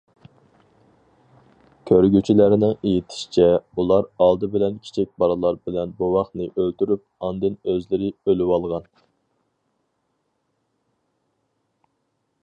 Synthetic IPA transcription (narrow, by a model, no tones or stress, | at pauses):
kʲʰøɾɡʲyt͡ʃʰilæɾnɪŋejit̪ʰɪ̥ʃi̥t͡ʃʰɛulˠɑɾɑlˠd̪ɨbɪlɛnkʲʰi̥t͡ʃʰik̚ʲbɑɾɨlˠɑɾbɪlɛnbowɑχnɨʔølt̪yɾyp̚ɑnd̪ɨnøzlɪɾɪølywɑlˠʁɑn